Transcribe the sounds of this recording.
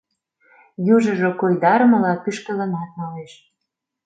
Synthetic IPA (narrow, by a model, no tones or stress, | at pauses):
juʒə̆ʒokojd̪ɑɾəmə̆lɑpyʃkə̆lə̆nɑt̪̚nɑleʃ